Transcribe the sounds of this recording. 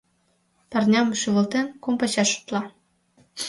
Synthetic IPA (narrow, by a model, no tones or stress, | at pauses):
pɑ̆rnʲɑmuʃyβə̆lt̪enkumpɑt͡ɕɑʃu̥t̪lɑ